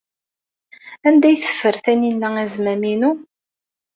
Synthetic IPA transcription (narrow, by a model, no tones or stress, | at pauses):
ænd̪æjθə̥fːəɾθæninːææzmæminu